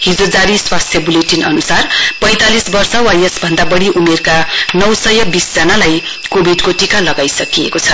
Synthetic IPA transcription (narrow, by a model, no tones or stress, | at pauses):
ɦid͡zod͡zaɾiswast̪ʰjʌbuleʈinʌnusarpʌ̃j̃t̪alisbʌrsʌwajesbʱʌnd̪abʌɽiʔumerkanʌwsʌjʌbisd͡zʌnalaj | kobʱiɖkoʈikalʌɡajsʌkiḛkot͡sʰʌ